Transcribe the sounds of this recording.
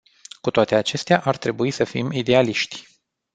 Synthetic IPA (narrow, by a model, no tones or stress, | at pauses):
kut̪oat̪e̞at͡ʃe̞st̪eaʔart̪ɾe̞buisəfḭmid̪e̞aliʃt̪ʲ